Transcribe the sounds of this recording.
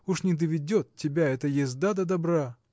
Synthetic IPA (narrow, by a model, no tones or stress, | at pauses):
uʂnʲɪd̪əvʲɪdʲot̪tʲːɪbʲaɛt̪əjɪzd̪ad̪ɐd̪ɐbɾa